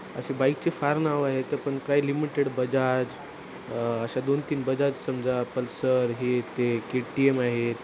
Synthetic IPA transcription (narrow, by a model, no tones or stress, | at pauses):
ə̰ɕebaik̚t͡ɕefaɾnaʋaɦet̪əpəɳkajlimiʈeɽbəd͡ʑad͡ʑ | əɕad̪ont̪iːnbəd͡zad͡zsəmd͡zapəlsəɾɦet̪ekeʈiemaɦet̪